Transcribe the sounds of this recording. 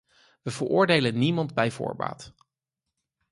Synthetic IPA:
ʋəvərʔʊːɹdejlənnimɑndbɛjvʊ̰ːɹba̰ːt

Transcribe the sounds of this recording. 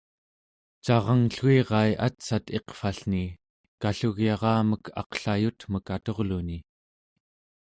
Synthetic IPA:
t͡ʃɑʁɑŋɬueʁɑjʔa̰t̪sat̪e̞qfaɬni | kaɬuɣjɑʁɑːməkʰɑ̰qɬajut̪məkat̪o̞ʁluni

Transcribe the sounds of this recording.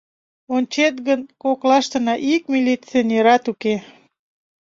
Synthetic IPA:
onʲt͡ɕet̪ɡənkoklɑʃt̪ənɑʔik̚mʲilit͡sionʲeɾɑt̪uke

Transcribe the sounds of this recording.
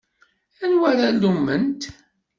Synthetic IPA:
ænwæɾælumːənt̪

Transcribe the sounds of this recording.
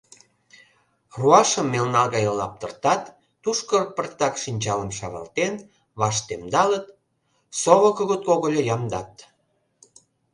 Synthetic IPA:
ruɑʃəmːelnɑlɣɑjəlːɑp̚t̪ərt̪ɑt̪ː | uʃkərpərt̪ɑkʃinʲt͡ɕɑləmʃɑɣɑ̰lt̪en | βɑʃt̪emd̪ɑlət̪̚ | soβəkoɣət̪̚koɣəlʲojɑmd̪ɑt̪

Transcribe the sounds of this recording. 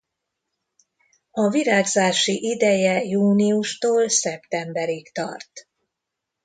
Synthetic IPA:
ɒviɾaːɡzaːʃiʔid̪ɛjɛjuːniuʃt̪oːlsɛpt̪ɛmbɛɾikt̪ɒ̰rt̪

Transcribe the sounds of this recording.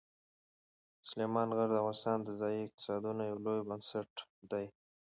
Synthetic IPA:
sʊlemɑnɣaɾd̪avwɑnst̪ɑnd̪əzɑjiɪq̚t̪ɪ̥sɑd̪unojawlojbənsaʈd̪aj

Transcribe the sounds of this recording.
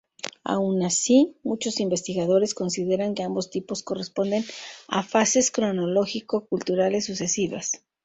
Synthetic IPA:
a̰wnasimut͡ʃo̞simbe̞st̪iɣað̞o̞ɾe̞sko̞nsiðe̞ɾaŋke̞ambo̞st̪ipo̞sko̞re̞spo̞nd̪e̞na̰fase̞skɾo̞no̞lo̞xiko̞kult̪uɾale̞sːuse̞siβa̰s

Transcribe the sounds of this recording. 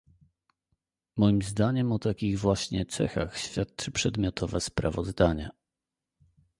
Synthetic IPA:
mɔjimzd̪aɲɛmɔt̪akʲiɣvwaɕɲɛt̪sɛ̰xa̰xɕfʲjat̪̚t͡ʂɘpʂɛd̪mʲjɔt̪ʰɔvɛspɾa̰vɔzd̪aɲɛ

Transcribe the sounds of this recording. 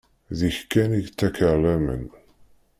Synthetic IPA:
ðiçkːæniʝt͡s̪ːækəlːæmə̰n

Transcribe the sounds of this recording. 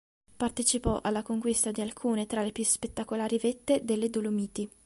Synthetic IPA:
part̪et͡ʃipɔʔalːakoŋkwist̪ad̪ialkʰuːnet̪ɾalepjuspet̪ːakolaːɾivet̪ːed̪elːed̪olomiːt̪i

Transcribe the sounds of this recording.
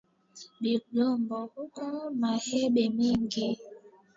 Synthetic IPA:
ɓilombɔhukɔmaheɓemiŋɡe

